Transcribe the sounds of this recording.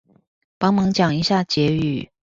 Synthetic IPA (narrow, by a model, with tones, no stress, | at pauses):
pɑ˥ŋmɑ˧˥ŋt͡ɕjɑ˨˩ŋi˧˥ɕja˥˩t͡ɕjɛ˧˥y˨˩˦